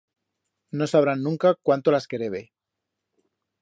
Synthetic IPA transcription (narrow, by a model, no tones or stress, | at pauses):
no̞saβ̞ɾanːũŋkakwant̪olaske̞ɾeβ̞e